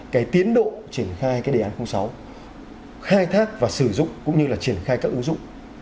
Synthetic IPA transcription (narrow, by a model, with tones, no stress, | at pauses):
kaː˨˦jt̪i˨˦ənɗo̰˧˨t͡ɕi˧˩ənxaː˧jkaː˨˦jɗaː˨˦nxə˧wŋ͡msa˨˦w | xaː˧jt̪ʰaː˦˥k̚vaː˨˩sɨ˧˩zʊ̰˧˨ŋ͡mkʊ̰˧˥ŋ͡mɲɨ˧laː˨˩t͡ɕi˧˩ənxaː˧jkaː˦˥kʔɨ˨˦ŋzʊ̰˧˨ŋ͡m